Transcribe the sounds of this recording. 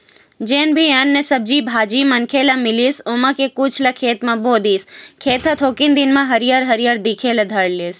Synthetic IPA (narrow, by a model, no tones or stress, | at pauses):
d͡ʒeːnbʱianːesəb̚d͡ʒibʱaːd͡ʒimɐnkʰeːlamɪlisomãkekʊt͡ʃʰlɐkʰeːt̪mãboːd̪iːskʰeːt̪ɐt̪ʰoːkind̪ɪnmãɦɐɾijəɾɦɐɾjəɾd̪ɪkʰelɐd̪ʱɐɽliːs